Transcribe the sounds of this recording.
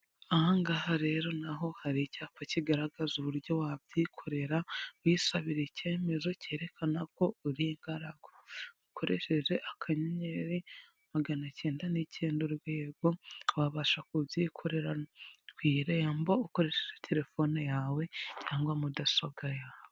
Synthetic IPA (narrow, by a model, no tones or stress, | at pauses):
aŋɡahaɾe̞ɾo̞naɦo̞haɾicaːpaciɡaɾaɡazuβuɾɟo̞wabjikʰo̞ɾe̞ɾawisaβiɾece̞ːme̞zo̞ce̞ːɾe̞kʰanako̞uɾiŋɡaɾaɡ̥woukʰo̞ɾe̞ʃe̞ʒe̞ʔakʰaɲeɲe̞ɾi | maɡanace̞ːndanicʰeːnduɾɡweːɡowaβaʃakubjiːkʰo̞ɾe̞ɾawiːɾejambouko̞ɾe̞ʃeʒetʰe̞ɾe̞fo̞nejaːwe̞caːŋɡwamudasoɡajaːwe